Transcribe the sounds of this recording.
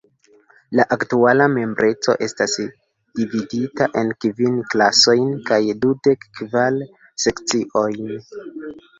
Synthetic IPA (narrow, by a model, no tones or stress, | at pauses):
laʔaktualame̞mbɾʔe̞t͡so̞̰ʔe̞stas | d̥ividitaʔe̞nkvinklaso̞jnkajdude̞kːval | se̞kt͡siʔo̞jn